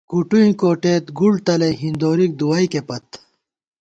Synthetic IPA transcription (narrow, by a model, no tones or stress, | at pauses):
kuʈuĩkoːʈeːt̪ɡult̪ɐlɐɦind̪oːɾik̚d̪uwɐjkepɐt̪